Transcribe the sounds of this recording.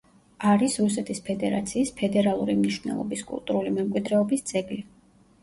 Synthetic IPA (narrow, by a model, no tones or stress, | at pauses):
aɾisɾusɛt̪ʰʼispʰɛd̪ɛɾa̰t̪sʰiːspʰɛd̪ɛɾalˠuɾimniʃvnɛ̰lˠɔ̰biskʼṵlˠt̪ʼuɾulimɛmkʼwid̪ɾɛɔbisd̪z̥ʼɛɡli